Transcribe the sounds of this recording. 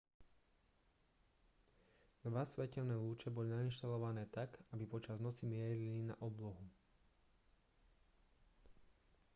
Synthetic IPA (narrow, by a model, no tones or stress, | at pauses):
d̪ʋasʋɛcɛlnɛːluːt͡ʃɛbɔlinainʃt̪alɔʋanɛːt̪akabipɔt͡ʃaznɔt͡simɪɛɾilina̰ʔɔblɔɦu